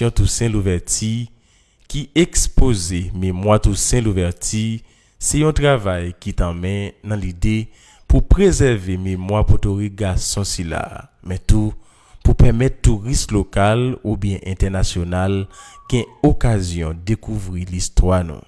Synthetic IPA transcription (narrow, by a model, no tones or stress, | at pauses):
jɔ̃tusɛ̃luvɛʁti | kiekspozememwatusɛ̃luvɛʁti | sɛjɔ̃tʁavajkit̪ãmɛ̃nãlide | pupʁezɛʁvememwapotoʁik̚ɡasɔ̃sila̰ | mɛ̃t̪u | pupɛmɛttːuʁislokalubjɛ̃ʔɛ̃tɛʁnasjonalɡ̥ɛ̃okazjɔ̃dekuvʁilistwanṵ̃